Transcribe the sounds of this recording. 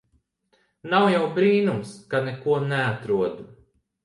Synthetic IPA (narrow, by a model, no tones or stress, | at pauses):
nawjawbɾiːnumskanɛkuɔnɛat̪ɾuɔd̪u